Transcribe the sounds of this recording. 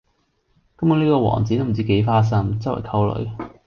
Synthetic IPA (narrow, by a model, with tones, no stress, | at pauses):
kɐ˨˥mjni˥kɔː˧wɔ̰ː˨˩ŋt͡siː˨˥t̪o˥m˨˩t͡siː˦˥ke˨˥jfaː˥s̬ɐ˥mt͡sɐ˥wɔ̰˨˩kʰɐ˧wlɵ̰˨˧˥ɥ